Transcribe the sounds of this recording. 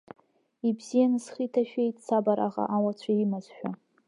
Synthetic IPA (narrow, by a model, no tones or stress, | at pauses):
ibz̥ijanɨsχitʰaʃᶣejtʰʼt͡sʰabaɾaʁa̰ʔawat͡ʃʷʰaimazʃᶣa